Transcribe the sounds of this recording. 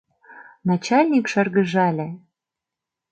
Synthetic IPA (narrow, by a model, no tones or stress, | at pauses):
nɑt͡ɕɑlʲnʲikʃɑrɣə̆ʒɑlʲĕ